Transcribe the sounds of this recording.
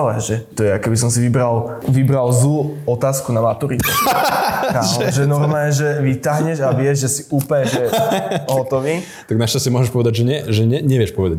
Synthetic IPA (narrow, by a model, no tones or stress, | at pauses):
lɛʒɛt̪ɔjɛakɛbis̬ɔmsiʋibɾal | ʋibɾalzuɔt̪aːskunamat̪uɾit̪ɛ̰ | aʒɛnɔɾmɛɛʒɛʋit̪aɦɲɛʃaʋɪɛʒʒɛsiuːpɛʒɛɦɔt̪ɔʋiː | t̪aɡnaʃcast͡ɕɛmɔʒɛʃpɔʋɛd̪aɟʒɛɲɛʒɛɲɛɲɛʋɪjɛʃpɔʋɛd̪a